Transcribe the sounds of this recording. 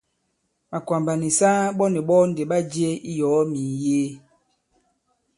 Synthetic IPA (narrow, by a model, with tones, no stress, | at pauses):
ma˨kwa˨mba˨ni˨sa˦ɓɔ˦nɛ˨ɓɔ˦n˨de˨ɓa˦d͡ʒi˦e˦i˦jɔː˨˦mi˨jeː˦